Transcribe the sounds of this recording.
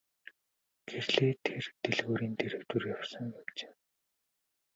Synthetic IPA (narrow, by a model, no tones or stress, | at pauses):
ɡ̥erɮeːt̪ʰert̪eɮɣuːɾiːnt̪ʰeɾɘ̆kt̪urjawsə̆ŋjawt͡ɕe̥ː